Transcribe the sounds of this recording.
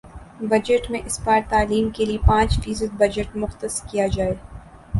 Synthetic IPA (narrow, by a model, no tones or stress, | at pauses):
bɐd͡ʒəʈmẽʔɪspaːɾt̪aːliːmkeliepãːt͡ʃfiːs̬əd̪̚bɐd͡ʒəʈmʊxt̪əskijad͡ʒaːe